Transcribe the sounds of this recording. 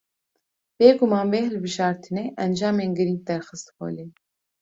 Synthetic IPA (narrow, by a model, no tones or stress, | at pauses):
b̥eːɡumɑːnbeːɦɨlbɨʒɑːɾt̪ʰɨneːʔɛnd͡ʒɑːmeːnɡɨɾiŋɡ̚d̪ɛɾxɨst̪xo̰ːleː